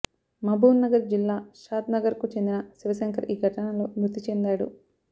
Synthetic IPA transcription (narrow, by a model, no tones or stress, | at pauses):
mɐbʱuːnːɐɡɐɾd͡ʒilːaːʃaːt̪nɐɡɐɾkut͡ʃend̪inɐsiʋɐʃɐŋkʰɐɾʔiːɡʱɐʈɐnɐlo̞ːmut̪ːit͡ʃend̪aːɽṵ